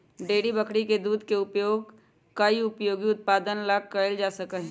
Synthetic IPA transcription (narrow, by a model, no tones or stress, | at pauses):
ɖeːɽibəkʰɽiked̪uːd̪ʱkeʊpjoːɡ | kəiʊpjoːɡiʊt̪̚paːd̪ənlaːkkəɪld͡ʒaːsəkəɦɛ̃